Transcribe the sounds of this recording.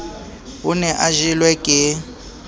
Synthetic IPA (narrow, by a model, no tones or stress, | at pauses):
ʊnɛʔaʒilwɛkʼɪ